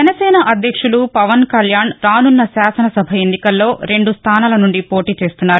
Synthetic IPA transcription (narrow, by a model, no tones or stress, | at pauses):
d͡ʒɛnɐsɛːnɐʔɐd̪ʱjɐkʂulupɐʋɐnkɐljaːnɾaːnunːɐsaːsɐnɐsɐbʱɐenːikɐlːo̞ːɾe̞ɳɖust̪ʰaːnaːlɐnuɳɖipo̞ːʈiːt͡ʃe̞ːst̪unːaːɾu